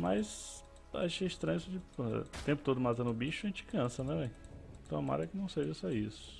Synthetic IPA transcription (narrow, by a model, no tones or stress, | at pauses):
majz | a̰ʃejiʃt̪ɾɐ̃ɲ̃ʊsʊt͡ʃipt̪ẽpʊt̪od̪ʊmat̪ɐ̃nʊbiʃʊɐʒẽnt͡ʃɪ̥kɐ̃sɐnɛvẽj̃t̪ɐ̃w̃ɐma̰ɾɐɛkɪnɐ̃w̃seʒɐsɔisʊ̥